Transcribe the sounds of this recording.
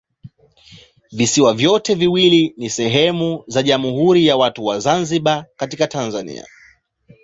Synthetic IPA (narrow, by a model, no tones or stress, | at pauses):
visiwavjɔtɛviwilinisɛɦɛmuzaʄamuɦuɾijawatuwazanziɓakatikatanzanḭa̰